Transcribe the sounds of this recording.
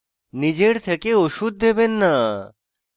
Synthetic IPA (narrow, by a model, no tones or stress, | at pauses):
nid͡ʑeɽt̪ʰekeoʃud̪̚d̪ʱebenːa